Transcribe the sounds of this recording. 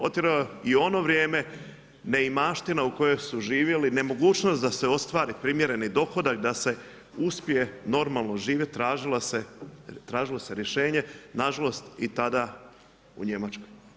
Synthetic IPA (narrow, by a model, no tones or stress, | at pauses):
ot̪iɾaoio̞no̞ʋɾje̞ːme̞ | ne̞imaːʃt̪inauko̞jo̞jsuʒiːʋje̞linemo̞ɡuːt͡ʃnost̪d̪aseo̞st̪ʋaːɾipɾimje̞ɾe̞nid̪o̞xo̞d̪ak̚d̪ase̞ | uspije̞no̞ɾmalˠno̞ʒiːʋjett̪ːɾaːʒilaset̪ɾaːʒilo̞se̞ɾje̞ʃe̞ːɲe̞naʒalo̞st̪it̪ad̪a | ṵɲe̞mat͡ʃkoj